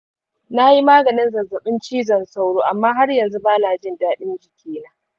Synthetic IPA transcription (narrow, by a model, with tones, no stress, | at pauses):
na˦ji˦maː˦ɡɐ˨nɪ˦nzɐ˨rzɐ˨ɓɪ˦nt͡ʃiː˦zɐ˨nsa˦wɽoː˦ʔa˨mːaː˦ɦa˦rjɐ˨nzu˦baː˦naː˨d͡ʒɪ˦ndaː˦ɗɪ˦nd͡ʒɪ˨kʲʰeː˦na˦